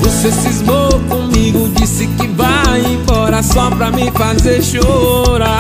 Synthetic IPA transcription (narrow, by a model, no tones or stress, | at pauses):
vosesizmokõmiɡʊd͡ʒisɪkɪvaĩfɔɾɐsɔpɾɐmɪfazeɾʃoɾa